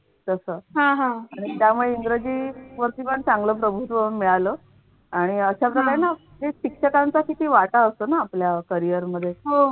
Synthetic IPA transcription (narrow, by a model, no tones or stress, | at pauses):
t̪əsəɦãɦãaɽ̃it̪jamuɭeiŋɡɾəd͡ʑiːʋəɾt̪iːpəɳt͡sãŋɡləːpɾəbʱut̪ʋəunmiɭalə | aɽ̃iəɕapɾəkaɾena | ɦeɕikʂəkant͡sakit̪iːʋaʈaəst̪onaːpljakəɾijəɾməd̪ʱːjeɦo